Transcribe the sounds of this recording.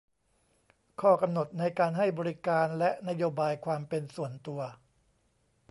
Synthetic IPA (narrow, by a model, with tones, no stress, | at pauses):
kʰɔː˥˩ka˧mno˨˩t̪̚na˧jkaː˧nɦa˥˩jbɔː˧ɾi˦˥kaː˧nlɛ˦˥ʔna˦˥joː˧baː˧jkʰwaː˧mpe˧nsu˨˩ənt̪u˧ɐ